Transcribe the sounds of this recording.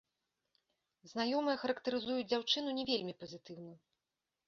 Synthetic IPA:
zn̪ajɔmɨjɛxɐɾɐkt̪ɐɾɨzujud͡zʲd͡zʲawt͡ʂɨn̪unʲɛvʲelʲmʲipɐzʲɨt̪ɨwnu

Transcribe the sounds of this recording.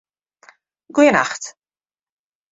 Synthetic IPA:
ɡ̥ujəna̰xt

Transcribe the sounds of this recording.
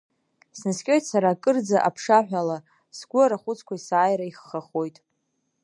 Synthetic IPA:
snɨskʲʼo̞jtʼsaɾakʼɨrd͡zaʔapʰʂaħᶣala | sɡʷʊaɾaχʷʊt͡sʰkʷaisaːjɾaiχːaχojtʼ

